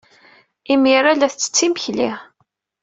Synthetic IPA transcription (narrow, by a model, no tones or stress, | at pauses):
imiɾælæθt͡sːə̥t͡sːiməçlḭ